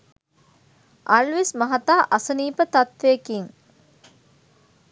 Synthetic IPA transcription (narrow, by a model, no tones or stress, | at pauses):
ʔalʋismɐɦat̪aːʔɐsəniːpət̪at̪ʋeːkiŋ